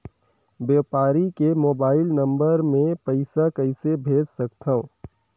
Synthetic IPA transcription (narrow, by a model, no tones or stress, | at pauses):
bjeːpaːɾikemoːbaːɪlnɐ̃mbəɾmẽpɐɪsakɐɪsebʱeːd͡ʒsɐkt̪ʰaõ